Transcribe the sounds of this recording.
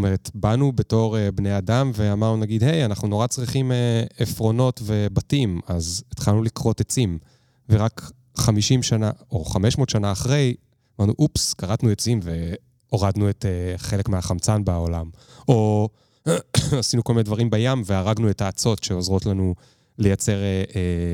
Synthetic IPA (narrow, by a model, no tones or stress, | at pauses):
ome̞ʁetbanube̞to̞ʁebne̞jadamve̞amaʁnunaɡidɦe̞janaχnuno̞ʁat͡sʁiχimeefʁo̞no̞tve̞batimazit̪χalnulikʁo̞tet͡sim | veʁak | χamiʃimʃanao̞χameʃmotʃanaːχʁe̞j | amaʁnuʔupskaʁatnuet͡simve̞ | o̞ʁad̪nueteχe̞le̞kmeɦaχamt͡sanbaaolamo | asinukolminedvaʁimbajamveaʁaɡnuetaːt͡so̞tʃe̞o̞zʁo̞tlanu | le̞jat͡se̞ʁee